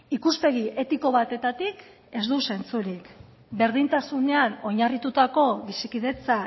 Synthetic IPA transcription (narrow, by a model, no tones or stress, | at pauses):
ikuspe̞ɣiʔe̞t̪iko̞βat̪e̞t̪at̪ik | e̞zd̪use̞nt͡suɾik | be̞ɾð̞int̪asune̞ano̞ɲarit̪ut̪ako̞βisikiðe̞t͡sa